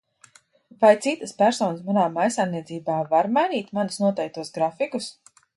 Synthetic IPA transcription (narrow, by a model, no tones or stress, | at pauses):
vajt̪sit̪əspæɾsɔːnɨsmanaːmajsajniɛt̪ziːbaːvaɾmajniːt̪manusnuɔt̪ɛjk̚t̪uɔsɡɾafikus